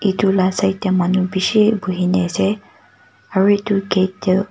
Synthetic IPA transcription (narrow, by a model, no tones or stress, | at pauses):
itulasaitjamanubisibuɦinɛsɛ | aɹuituɡetː